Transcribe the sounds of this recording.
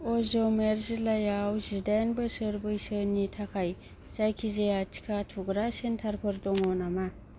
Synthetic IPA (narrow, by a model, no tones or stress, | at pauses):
ɔzɔmeɾzilajawzidanbɯsəɾbɯjsɯnitʰakʰaj | zajkʰizejatʰi̥kʰatʰuɡɾasentʰaɾpʰɯɾdɔŋɔnama